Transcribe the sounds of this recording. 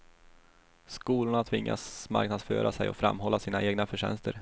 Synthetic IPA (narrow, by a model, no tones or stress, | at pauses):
skuːlʊɳat̪ʰvɪŋːa̰sma̰ɾknad̪sføːɾʔasɛjɔ̰fɾamːɦɔlːasiːnaʔeːɡnafœʂɛnst̪əɾ